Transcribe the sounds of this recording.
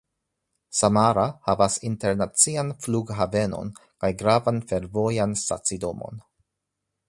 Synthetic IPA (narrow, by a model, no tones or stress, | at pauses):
samaɾahavasinte̞ɾnat͡sianfluɡɦave̞no̞̰nkajɡɾavanfe̞ɾvo̞jansta̰t͡sido̞mo̰n